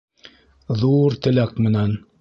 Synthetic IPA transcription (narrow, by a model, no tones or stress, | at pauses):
ðuɾt̪ɘ̆lækmɘ̆næn